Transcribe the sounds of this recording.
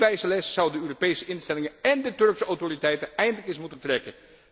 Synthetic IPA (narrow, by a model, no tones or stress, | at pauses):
bɛjsəlɛssʌwdəøːropejsəɪnstɛlɪŋənɛndətɵɹksəawtoritɛjtənɛjndələkɪsmutəntrɛkən